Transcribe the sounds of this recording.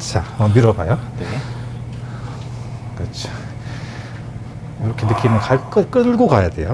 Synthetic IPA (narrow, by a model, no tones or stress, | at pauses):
t͡ɕʰaʌmiɾʌbajone | kɯt͡ɕʰo̥ | joɾʌkʰenɯkʰimɯnkaɭk͈ɯk͈ɯɭɡokajade̞jo